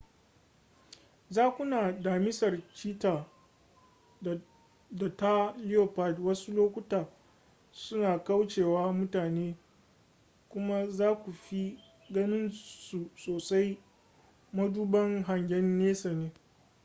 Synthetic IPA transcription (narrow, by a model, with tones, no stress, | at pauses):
zaː˦kʷʊ˦naː˨daː˨mɪ˦sɐ˨rt͡ʃiː˦taː˨ | da˨ta˦lɪ˦joː˨pa˦˨dwɐ˦su˦loː˦kʷʊ˦taː˨ | sʊ˦naː˨ka˦wt͡ʃeː˨waː˦mʊ˦taː˨neː˦ | kʷʊ˦ma˦zaː˦kʷu˨ɸi˦ | ɡɐ˦nɪ˦nsu˨soː˨sa˦j | mɐ˦duː˦bɐ˦ŋɦa˨ŋɡʲɛ˦nːeː˦sa˨neː˦